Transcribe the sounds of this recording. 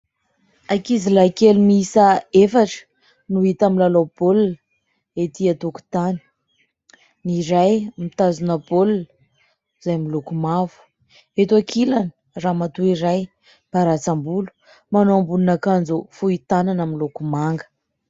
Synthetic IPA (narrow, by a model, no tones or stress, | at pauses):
akizilakelumisəefaʈ͡ʂə̥ | nuit̪aminlalob̥olun | et̪iat̪oku̥t̪ani̥ | niɾajmit̪azunəbolun | z̥ajmilukumavu̥ | et̪uakʰilanə | ramat̪uiɾaj | b̥aɾat͡sambulu̥ | manoambulunakand͡zufuit̪ananamilukumaŋɡə̥